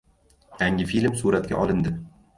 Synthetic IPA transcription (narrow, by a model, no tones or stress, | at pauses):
jaŋʲɪfilmsuɾat̪̚kʲa̰ʔɒlˠɪnd̪ɪ